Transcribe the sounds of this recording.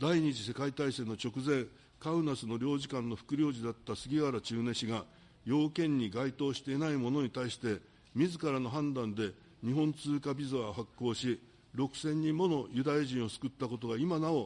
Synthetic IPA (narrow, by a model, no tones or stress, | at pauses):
d̪aiɲ̟id͡ʑise̞kait̪aisẽ̞nːo̞t͡ɕo̞kɯ̟zẽ̞ŋ | kaɯ̟nasɨno̞ɾʲo̞ːʑikãnːo̞ɸɯ̟̥kɯ̟ɾʲjo̞ːʑid̪at̪ːasɨɡʲiɡaɾat͡ɕɨːne̞ɕiɡa | jo̞ːkẽ̞ɲ̟ːiɡait̪o̞ːɕi̥t̪e̞ːnaimo̞no̞ɲ̟it̪aiɕi̥t̪e̞ | mʲizɨkaɾano̞ɦãnd̪ãnd̪e̞ | ɲ̟iɦõ̞nt͡sɨːkabʲizɨaɦakːo̞ːɕi | ɾo̞kɯ̟̥sẽ̞ɲ̟ːĩmːo̞no̞jɯ̟d̪ajaʑĩɰ̃o̞sɨ̥kɯ̟t̪ːako̞t̪o̞ɡaimanao̞